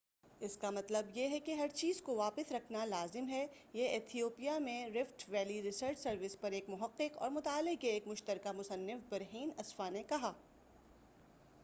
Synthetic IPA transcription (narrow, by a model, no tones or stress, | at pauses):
ɪskamɐt̪ləbjeɦɛkeɦɐɾt͡ʃiːzkoʋaːpɪsɾɐkʰnalaːzɪmɦɛ | jeʔɪt̪ʰijoːpijamẽɾɪfʈʋɛːliɾɪsəɾd͡ʒsɐɾʋɪspɐɾeːkmʊɦɐqːɪqɔ̰ːɾmʊt̪aːlɪɡ̚keːkmʊʃt̪əɾkamʊsɐnːɪfbɐɾɦiːnɐsfanekɐɦaː